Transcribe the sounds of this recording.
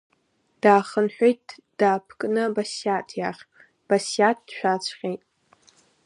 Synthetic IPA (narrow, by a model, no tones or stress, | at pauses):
d̥aːχənħʷᶣejt̚ʰ | d̥aːpʰkʼnɨbasjatʰjaχʲ | b̥asjat̚ʰd̥ʃʷᶣat͡ɕʷʰqʲejtʼ